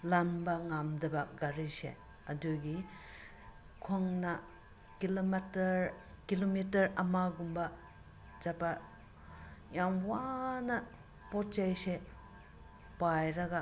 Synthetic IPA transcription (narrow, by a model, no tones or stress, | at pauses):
lambɐŋamdɐbɐɡaɾisḛ | ɐduɡi | kʰoŋnɐ | kilomatɐɾkilomitɐɾɐmaɡumbɐ | d͡ʒapa | jamwanɐ | pɔtt͡ʃajse | pajɾɐɡa